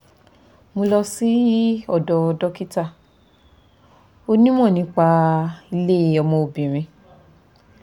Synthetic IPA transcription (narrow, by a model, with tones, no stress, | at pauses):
mo˧lɔ˧si˦ɔ˦˨dɔ˧dɔ˦ki˦ta˦˨ | o˧nĩ˦mɔ̃˦˨nĩ˨˦k͡pa˧i˧le˦˨ɔ˧mɔ̃˧o˨bĩ˨ɾ̃ĩ˧